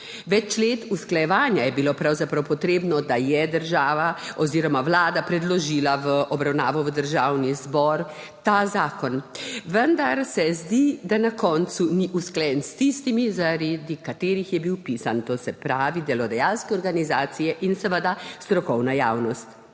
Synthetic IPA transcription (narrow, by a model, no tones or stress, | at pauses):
ʋɛt͡ʃleːt̪usklajɛʋaːnjajɛbilopɾawzapɾawpɔt̪ɾeːbnɔd̪ajɛd̪əɾʒaːʋaɔziːɾɔmaʋlaːd̪apɾɛd̪lɔʒilaʋəʔɔbɾawnaːʋɔʋəd̪əɾʒaːwnizbɔɾ | t̪aːzaːkɔnʋənd̪aɾsɛzd̪id̪anakɔnt̪suniʔusklɛjɛnst̪ist̪imizaɾed̪ikat̪eːɾixjɛbiwpiːsant̪oːsɛpɾaːʋid̪ɛlɔd̪ajalskɛɔɾɡanizaːt̪sijɛʔinsɛʋəd̪ast̪ɾɔkɔwnajaːwnɔst̪